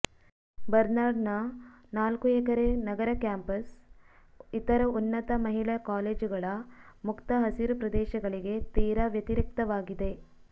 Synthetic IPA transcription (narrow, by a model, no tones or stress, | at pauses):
bɐɾnaːɖnɐnaːlkuekɐɾenɐɡɐɾɐkjaːmpɐs | it̪ɐɾɐunːɐt̪ɐmɐɦiɭɐkaːleːd͡ʒuɡɐɭɐmukt̪ɐɦɐsiɾupɾɐd̪ɛːʃɐɡɐɭiɡe̞t̪iːɾɐʋjɐt̪iɾik̚t̪ɐʋaːɡid̪e̞